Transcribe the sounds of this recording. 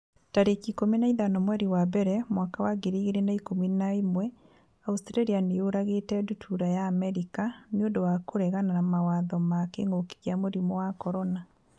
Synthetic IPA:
taɾekikominaiðanɔmwɛɾiwabɛɾɛmwaːkawaɡeɾiːɣeɾenaikominaemwɛ | austɾaɾianeoɾaɣetɛdutʰuɾajaːmɛɾikaneondowakoɾɛɣananamawaðɔmakeŋoki̥ɣjamoɾimɔwakɔɾɔna

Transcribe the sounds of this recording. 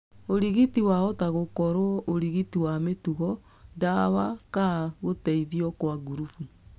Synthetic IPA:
oɾiɣitiwaɔtaɣokɔɾoɔʔoɾiɣitiwametuɣɔ | ndawakaɣotɛiðiɔkwaɡuɾufu

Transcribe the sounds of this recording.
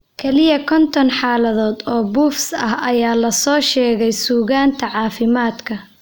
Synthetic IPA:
kʰɛlɪjɐkʰɔnt̪ʰɔnħɑːlɐðɔːd̪ɔːbuːfsɐhɐjaːlɐsɔːʃɛːɣɛjsuːɣaːnt̪ʰɐʕɑːfɪmaːd̪kʰɐ

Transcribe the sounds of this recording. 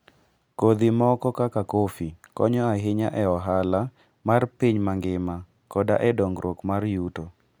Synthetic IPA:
kod̪imɔkɔkakakofikɔ̰ɲɔaɦɪɲaʔɛɔɦala | marpiɲmaŋɡɪma | kɔda̰ʔɛdɔŋɡɾokmarjuto

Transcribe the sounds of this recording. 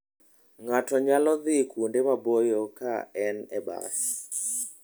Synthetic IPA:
ŋatɔɲalɔðɪkundemabojokaɛnɛba̰s

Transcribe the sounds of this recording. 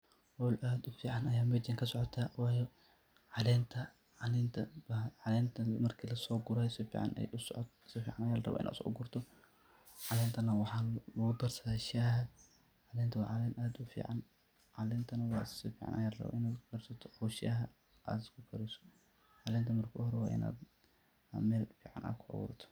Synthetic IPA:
wɔlʔaːd̪ʊfiːʕɑnɐjaːmɛd͡ʒɐŋkʰɐsɔʕɔt̪ʰaːwɑːjɛ | ʕɑlɛːnt̪ʰɐ | ʕɑlɛːnt̪ʰɐbɐʕɑlɛːnt̪ʰɐmɐrkʰiːlɐsɔːɡʊɾɐːsɪfḭːʕɑ̰nɛ̰jʔʊsɔʕɔ̰t̪sɪfiːʕɑnɐjaːlɐrɐ̰βɔ̰ʔɪna̰ːsɔ̰ɡʊrt̪ʰɔ | ʕɑlɛːnt̪ʰɐnɐwɑħɑlʊɣʊd̪ɐrsɐaʃaɦɐ | ʕɑlɛːnt̪ʰɐwɑʕɑlɛnʔaːd̪ʊfḭːʕan | ʕɑlɛːnt̪ʰɐnɐwɑːssɪfiːʕɑ̰nʔɐ̰jaːlɐrɐ̰βɔ̰ʔɪnaːɡɐrsɐt̪ʰɔ̥ħɔʃɪɐɦɐ | ʔa̰d̪ɪskʰʊɡɐɾɛsɔ̥ | ʕɑlɛːnt̪ʰɐmɐrkʰɐhɔɾɛwɑːʔɪ̰na̰ːd̪ | mɛːlfiːʕɑ̰nʔa̰ːkʰʊʕɔ̰wɔ̰t̪ʰɔ̥

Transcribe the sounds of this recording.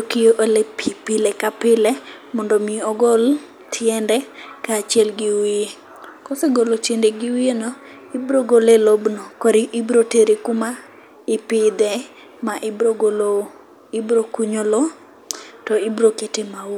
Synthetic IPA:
okijoʔolepʰipɪlɛkapɪlɛ | mɔndɔmiɔɡɔl | tʰjɛndɛkaːt͡ʃɪɛlɡɪwie | kɔseɡolotendeɡɪwienɔ | ibɾoɡolelobnokoɾiʔibɾoteɾekuma | ɪpɪd̪ɛ | maʔɪbɾoɡolo | ɪbɾokuɲolo | tɔibɾoketemawo

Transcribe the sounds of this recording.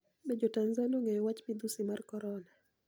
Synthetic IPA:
mɛd͡ʒɔtanzanɔŋɡɛwat͡ʃpid̪usimaɾkɔɾɔna

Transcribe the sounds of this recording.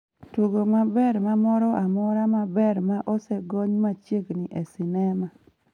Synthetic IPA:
toɡomabɛɾmamɔɾɔʔamɔɾamabɛɾmaʔɔsɛɡɔɲmat͡ʃjeɡnɪʔɛsɪnɛma

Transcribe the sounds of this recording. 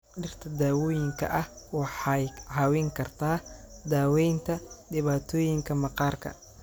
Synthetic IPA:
ɖɪrt̪ʰɐd̪aːwɔːjɪŋkʰɐ̰ʔɐhwɑħɑjʕɑːwɛŋkʰɐrt̪ʰaːd̪aːwɛjnt̪ʰɐdɪβaːt̪ʰɔːjɪŋkʰɐmɐqɑːrkʰɐ̰

